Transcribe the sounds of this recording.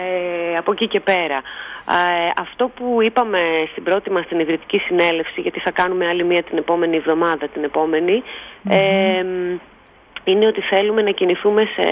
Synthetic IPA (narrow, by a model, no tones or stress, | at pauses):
eɐpo̞cice̞pe̞ɾɐ | ɐft̪o̞puipɐme̞st̪ibɾo̞t̪imɐst̪inivɾit̪i̥cisine̞le̞fsiʝɐt̪iθɐkɐnume̞ɐlimiɐt̪ine̞po̞me̞nievðo̞mɐðɐt̪ine̞po̞me̞niem | ine̞o̞t̪iθe̞lume̞nɐciniθume̞sḛ